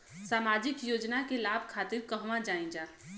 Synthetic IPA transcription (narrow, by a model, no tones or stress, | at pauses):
saːmaːd͡ʒɪkjoːd͡ʒnakelaːbʱkʰaːt̪ɪɾkəɦmãd͡ʒaːĩd͡ʒaː